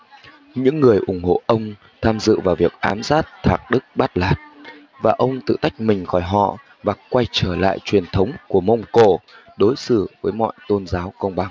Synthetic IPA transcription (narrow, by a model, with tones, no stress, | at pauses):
ɲɨ̰˧˥ŋːɨ˨˩əjʔʊ˧˩ŋ͡mho̰˧˨ʔə˧wŋ͡m | t̪ʰaː˧mzɨ̰˧˨vaː˨˩wvi˨˩ək̚ʔaː˨˦mzaː˦˥t̚t̪ʰaː˨˩k̚ɗɨ˦˥k̚ɓa˦˥t̚laː˨˩t̚ | vaː˨˩ʔə˧wŋ͡mt̪ɨ̰˧˨t̪a˦˥jk̟̚mï˨˩ŋ̟xɔ˧˩jɦɔ̰˧˨ | vaː˨˩kwa˧jt͡ɕəː˧˩la̰ː˧˨jt͡ɕwi˨˩ənt̪ʰə˨˦wŋ͡mku˧˩əmə˧wŋ͡mko˧˩ɗo˨˦jsɨ̰˧˩˨vəː˨˦jmɔ̰˧˨jt̪o˧nzaː˨˦wkə˧wŋ͡mɓa˨˩ŋ